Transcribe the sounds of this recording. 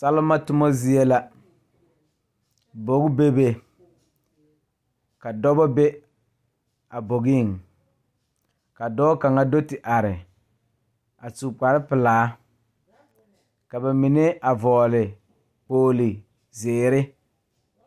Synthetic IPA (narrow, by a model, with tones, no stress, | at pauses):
sa˦lɪ˦ma˦tʊ˦mɔ˦zi˦e˦la˦ | bo˨ɡbe˦be˦ | ka˨dɔ˦bɔ˦be˦ | a˨bo˨ɡi˦˨ŋ | ka˨dɔ˦ka˨ŋa˦do˦tɪ˨ʔa˨ɾɪ˨ | a˨su˨k͡pa˨ɾɪ˦pɪ˨laː˨˦ | ka˨ba˨mi˨ne˦ʔa˨vɔː˨lɪ˨ | poː˨lɪ˨ | zeː˨ɾɪ˦